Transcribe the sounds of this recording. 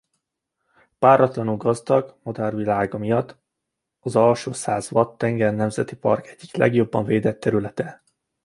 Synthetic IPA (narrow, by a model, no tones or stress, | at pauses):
paːɾɒt̪lɒnulɡɒzd̪ɒɡmɒd̪arvilaːɡɒmijɒt̪ː | ɒzɒlʃoːsaːzʋɒt̪ːɛŋɡɛrnɛmzɛt̪ipɒ̰rkɛɟːiklɛ̰ɡjo̞bːɒɱveːd̪ɛt̪ːɛɾylɛt̪ɛ